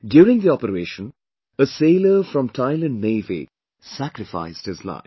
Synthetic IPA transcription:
djuːɾɪ̃ŋðiɔpəɾeːʃə̃n | əseɪlə˞fɾʌ̃mtʰaɪlə̃nneɪvḭ | sækɾɨfa̰ɪsd̚hɨzla̰ɪf

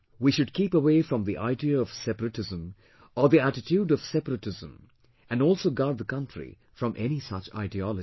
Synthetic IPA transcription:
wiʃʊd̚kipəweɪfɹʌ̃mðiʔa̰ɪdiəːv̥sɛpəɾɨʈɪzə̃m | əðiæʈɪtʰjuɖʌv̥sɛpəɾətɪzə̃m | æ̃nɔlˠsoʊɡaɹd̪̚ðəkʌ̃ntɹḭ | fɹʌ̃mʔɛñisʌt͡ʃa̰ɪdiɔlɨ

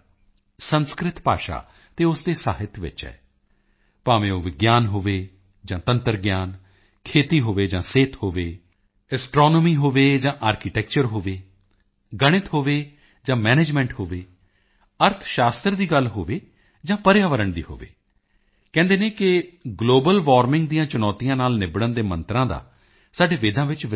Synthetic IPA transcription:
sənskɾɪt̪pa̰ːʃa̰ː | t̪eːʊsd̪eːsa̰ːɦɪt̪ʰʋɪ̰t͡ʃɦɛ̰ː | paːʋẽːoːʋɪɡjaːnɦoːʋeː | d͡ʒãːt̪ənt̪əɾɡjaːn | kʰeːt̪iːɦoːʋeːd͡ʒãːseːt̪hoːʋeː | ɛsʈɾɔːnoːmiːɦoːʋeːd͡ʒãːʔaːɾkɪʈɛːkt͡ʃəɾɦoːʋeː | ɡəɽ̃ɪt̪ɦoːʋeː | d͡ʒãːmɛːneːd͡ʒmɛ̃ːɳʈhoːʋeː | əɾt̪ʰʃaːst̪əɾd̪iːɡəlɦoːʋeː | d͡ʒãːpəɾjaːʋəɾəɳd̪ḭːho̰ːʋḛː | kɛ̃ːnd̪eːnẽːkɪɡloːbəlʋaːɾmɪ̃ŋɡd̪ijãːt͡ʃʊnɔːt̪ijãːnaːlnɪbɽənd̪eːmə̃nt̪ɾãːd̪a̰ː | saːɖeːʋeːd̪ãːʋɪt͡ʃʋ

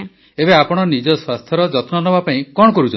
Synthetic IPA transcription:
ebeapɔɽ̃ɔnid͡ʒɔswast̪ʰjɔɾɔd͡ʒɔt̪nɔnɔbapaĩkɔɽ̃ɔkɔɾut͡ʃɔ

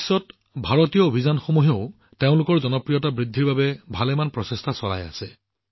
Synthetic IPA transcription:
sɔt | bʱaɹotijɔobʱizanxomuɦeʊ | teʊ̃lʊkɔɹzɔnɔpɹijɔtabɹidʱːiɹbabɛbʱalɛmanpɹɔsestʰasɔla̰ja̰sɛ

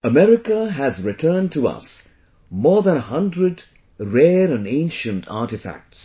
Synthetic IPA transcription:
əmɛɾɪkəɦæzɹɪtʰɜːntʰuʌ̰s | mɔːɹðə̃nəhʌ̃ndɹəd | ɹɛːɾɨ̃nẽɪ̃nʃɨ̃ntʰa̰tɪfæ̰k̚ts

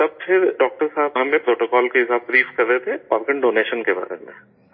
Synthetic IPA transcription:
t̪ɐb̚fʰɪɾɖɔːk̚ʈəɾsaːbɦɐmẽpɾoːʈokɔːlkeɦɪsaːb̚bɾiːfkɐɾːet̪ʰepaːɾɡə̃ɳɖoːneːʃənkeba̰ːɾḛmḛ̃

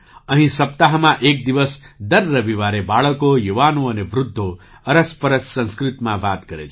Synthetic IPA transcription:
əɦĩsəp̚t̪aɦmãʔek̚d̪iʋəsd̪əɾːəʋiʋaɾebaɭəkojuʋanuəneʋɾʊd̪ʱːo | əɾəspəɾəssə̃nskɾit̪mãʋaːt̪kəɾḛt͡ʃʰe

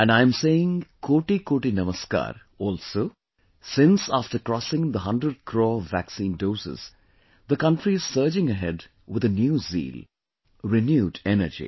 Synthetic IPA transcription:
æ̃nɖãɪ̃mseɪɪ̃ŋkʰoːʈikoːʈinʌməska̰ːɾ | ɔːlsoː | sɪ̃nsaːfʈəɾkɾɔsɪ̃ŋd̪əɦʌ̃ndɾəɖ̚kʰɾoːʋæksĩːndoːsɪ̰z̥ | d̪əkʌ̃nʈɾiɪz̥səːd͡ʒɪ̃ŋəɦɛɖ | wɪd̪ənjuːzḭːl | ɾɪnjuːdɛnə̰d͡ʒḭ

